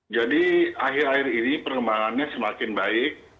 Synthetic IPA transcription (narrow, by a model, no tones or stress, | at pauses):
d͡ʒadiaɦɪɾaɪrinipərkəmbaŋanɲasəmakɪnbaɪk̚